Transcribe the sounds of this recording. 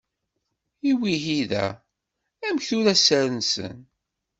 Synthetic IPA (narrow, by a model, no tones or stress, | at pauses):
iwiɦiðæ̰ | æmçθʊɾæsæɾənsə̰n